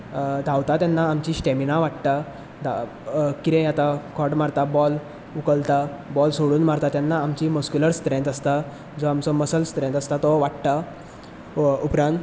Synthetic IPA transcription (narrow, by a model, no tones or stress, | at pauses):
d̪ʱawt̪at̪janːaːmt͡ɕiɕʈeminãʋaʈt̪a | d̪a | kiɾẽjat̪akʰɔʈmaɾt̪abɔl | ukəlt̪a | bɔlsoɽuːnmaɾt̪at̪janːaːmt͡ɕimuskuləɾst̪ɾɛ̃nt̪əst̪a | d͡zɔamt͡sɔməsəlst̪ɾɛ̃nt̪əst̪at̪ɔʋaʈt̪a | upɾãnt̪